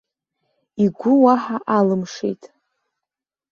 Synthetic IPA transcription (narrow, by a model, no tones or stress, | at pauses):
iɡʷʊwaħaʔalɨmʂḛjtʼ